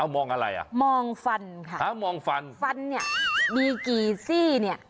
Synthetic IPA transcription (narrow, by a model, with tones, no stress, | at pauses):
ʔa˧˩wmɔː˧ŋʔa˧ɾa̰˧˩jʔa̰˨˩mɔː˧ŋfa˧nkʰa˥˩a˧˥˩mɔː˧ŋfa˧nfa˧nːi˥˩ɐdiː˧kiː˨˩siː˥˩ni˥˩ɐ